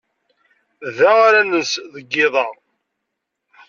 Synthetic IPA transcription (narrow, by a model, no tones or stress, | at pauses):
ðæaɾænəsðəɡːɪðˤɑʁ